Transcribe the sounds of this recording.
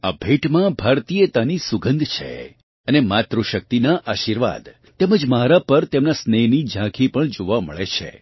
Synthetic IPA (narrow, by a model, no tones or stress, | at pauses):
abʱeʈmãbʱaɾt̪ijət̪anisuɡə̃nd̪ʱt͡ʃʰḛ | ənemat̪ɾuʃək̚t̪inaʔaʃiɾʋa̰d̪ | t̪eməd͡ʒmaɾapəɾt̪emnasnenid͡ʒãkʰipəɳd͡ʒoʋamə̰ɭet͡ʃʰḛ